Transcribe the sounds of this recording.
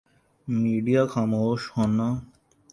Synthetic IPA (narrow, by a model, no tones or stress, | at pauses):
miɖijakʰamoʃhɔnːa